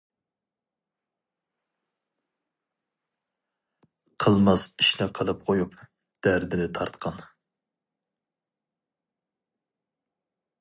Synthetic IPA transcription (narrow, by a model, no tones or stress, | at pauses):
qʰəlˠmɑziʃnɪqʰəlˠɨp̚qʰojup | d̪̥æɾd̪ɪnɪt̪ʰɑɾt̪qʰɑn